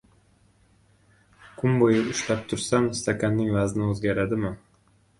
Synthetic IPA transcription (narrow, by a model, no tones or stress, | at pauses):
kʰʊmbojɪʊʃlap̚t̪ʰʊɾsamst̪ʰakʲʰanːɪŋvaznɪɵzɡʲaɾad̪ɪmɪ